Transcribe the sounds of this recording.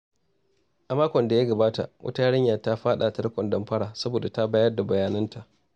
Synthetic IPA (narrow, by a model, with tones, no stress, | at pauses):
ʔa˨maː˦kʷɔ˨nda˨ja˦ɡɐ˨baː˦ta̰˨ʔwʔɐ̰˦ta˦ɽɪ˦ɲjaː˨ta˦ɸaː˦ɗa˨tɐ˦ɽkʷɔ˨ndɐ˨mɸɐ˦ɽaː˨sɐ˦boː˨da˨ta˦baː˦jɐ˦rda˨bɐ˨jaː˨nɐ˦ntʰa˨ʔ